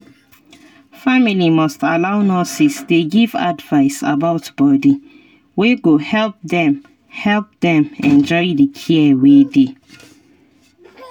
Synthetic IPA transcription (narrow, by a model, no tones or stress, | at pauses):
familimɔstalaʊnɔsisdeɡiva̰dvaɪsa̰baʊtb̥ɔdi | weɡohɛlp̚dɛ̃m | hɛlp̚dɛ̃mɛ̃nd͡ʒɔɪdəkʰiɛwede